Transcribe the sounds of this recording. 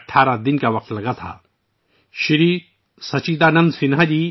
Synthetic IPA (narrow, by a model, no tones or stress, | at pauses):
ʈʰːaːɾad̪ɪnkaʋɐq̚t̪lɐɡat̪ʰa̰ | ʃiɾiː | sɐt͡ʃiːd̪anɐ̃nd̪sɪnɦad͡ʑi